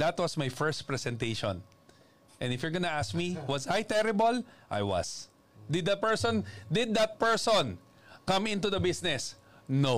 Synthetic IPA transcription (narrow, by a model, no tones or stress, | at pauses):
d̪ɐt̪wɐsmajfɛɹst̪̚pɹɛsɛ̃nt̪ejʃɔ̰̃n | ʔɛ̃nd̪ɪfjʊɹɡɐnɐʔask̚miwɐzajt̪ɛɾɪbɐlʔa̰jwɐ̰s | d̪ɪd̪ːɐt̪̚pɛɹsɔ̃nd̪ɪd̪̚ːɐt̪̚pɛɹsɔn | kɐ̃mɪ̃nt̪ud̪ɐbɪsnɛs | no